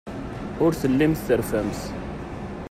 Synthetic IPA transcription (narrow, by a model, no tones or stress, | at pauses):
ʊɾθəlːimθθəɾfæms